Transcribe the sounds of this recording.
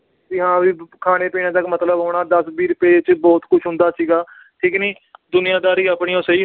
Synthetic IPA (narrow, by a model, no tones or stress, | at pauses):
t̪ɪːɦãːʋiːkʰaːneːpiːñãːt̪əkmət̪ləbɦoːɳaːd̪əsbiːɾʊpeːt͡ʃbɔːt̪kʊt͡ʃʰɦʊ̃nd̪aːsiːɡaː | ʈʰɪːkniː | d̪ʊnɪjãːd̪aːɾiːaːpɳiːãːsəiː